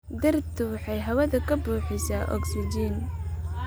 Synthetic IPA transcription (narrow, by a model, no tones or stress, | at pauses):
d̪ɐrt̪ʰʊwɑħɑjɦɐwɐðɐkʰɐbuːħɪsaːʔɔ̰ksɪd͡ʒiːn